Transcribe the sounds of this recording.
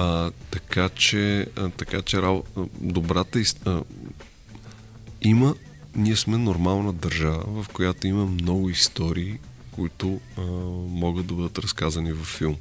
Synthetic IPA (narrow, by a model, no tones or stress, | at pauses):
ət̪ɐkat͡ʃɛt̪ɐkat͡ʃɛɾabd̪obɾat̪əistə | imə | niɛsmɛnoɾmalˠnəd̪ɐɾʒavə̰vɐfkojat̪oimɐmnɔɡʊist̪ɔɾiːkoit̪ʊ | mɔɡəd̪d̪ɐbɤd̪ət̪ɾɐskazɐnivɐfːilˠm